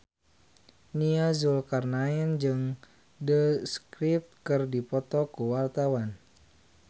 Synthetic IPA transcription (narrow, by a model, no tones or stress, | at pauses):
niazulkarnaind͡ʒɨŋ | dəskɾip̚t̪̚kɨrdipɔt̪ɔkuwart̪awan